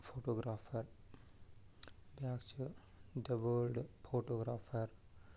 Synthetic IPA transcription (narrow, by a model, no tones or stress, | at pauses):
fʰoːʈoːɡɾaːfʰɐɾ | bjaːkt͡ʃu | ɖɐbəlɖfʰoːʈoːɡɾaːfʰɐɾ